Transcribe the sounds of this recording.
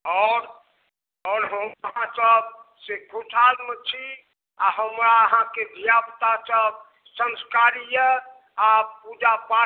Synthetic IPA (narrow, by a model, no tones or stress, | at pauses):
ɔʊɾ | ɔːɾɦəməɦãsəbseɡʱuʈʰalmet͡ʃʰi | aɦəmɾaəɦãked̪ʱijapt̪asəb | sə̃nskaɾijə | apud͡ʒapa